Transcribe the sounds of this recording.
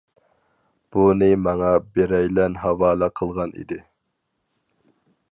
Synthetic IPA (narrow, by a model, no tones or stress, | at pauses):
b̥unɨmɑŋɑbeɾɛjlɛnɦɑwɑːlˠɑqʰəlˠʁɑnḭd̪ɪ